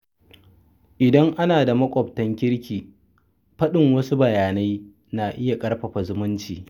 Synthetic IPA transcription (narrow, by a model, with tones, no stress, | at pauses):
ʔɪ˨dɐ˦ŋʔa˦naː˨da˨mɐ˦kʷʼɔ˨p̚tɐ˦ŋkʲɪ˦ɽkʲiː˨ | ɸɐ˦ɗɪ˨ŋwɐ˦su˦bɐ˨jaː˨na˦j | naː˨ʔɪ˦ja˨kʼɐ˦ɽɸɐ˨ɸa˨zʊ˦mʊ˦nt͡ʃiː˨